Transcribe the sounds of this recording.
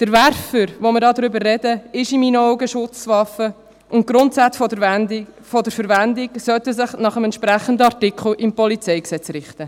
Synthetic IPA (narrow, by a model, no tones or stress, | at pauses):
d̪̥əɾvæɾfəɾʋomɪɾdɑːd̪ɾʏbəɾːɛdəɪʃimiːnəɔʊɡəʃʊt͡sʋɑfə | ʔʊnt̚ɡɾʊnt̪sæt͡sf | fɔdəɾfəɾvændɪksœtəsɪχnɑχəmɛntʃpɾæχənd̪əɑrtikʰχl̩ɪmpɔlit͡sɛɪksɛt͡sɾɪχt̪ə